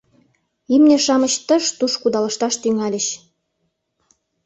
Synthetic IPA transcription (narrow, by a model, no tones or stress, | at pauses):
imneʃɑmət͡ɕt̪ə̆ʃt̪uʃkud̪ɑlə̆ʃt̪ɑʃt̪yŋælʲə̆ɕ